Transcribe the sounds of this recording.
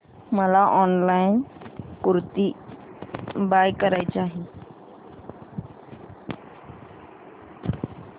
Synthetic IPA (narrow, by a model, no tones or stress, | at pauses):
məlaʔɔnlainkuɾt̪i | bajkəɾajt͡ɕaːɦi